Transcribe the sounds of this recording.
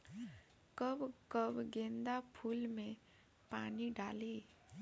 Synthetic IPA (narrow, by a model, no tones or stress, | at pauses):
kəbkəbɡẽːnd̪apʰuːlmẽ | paːniɖaːli